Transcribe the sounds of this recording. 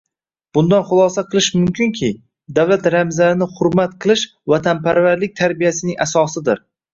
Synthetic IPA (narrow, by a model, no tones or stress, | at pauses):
b̥ʊnd̪anχʊlˠɒsaqʰɨlˠɪʃmʊmkʲʰʊŋkʲʰɪ | d̪awlat̪ɾamzaɾɪnɪχʊɾmat̪qʰɨlˠɪʃ | vat̪ʰanpʰaɾvaɾlɪk̚ʲt̪ʰaɾbijasɪnɪŋʔasɒsɪd̪ɪɾ